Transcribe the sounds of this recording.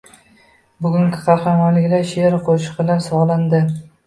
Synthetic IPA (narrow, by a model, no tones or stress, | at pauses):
bʊɡʊŋɡʲɪ̥qʰɑɾhɑmalɪkʲlaɾʃeɾɪqʰoʃɪ̥qɪlaɾsɒʁlˠand̪ɪ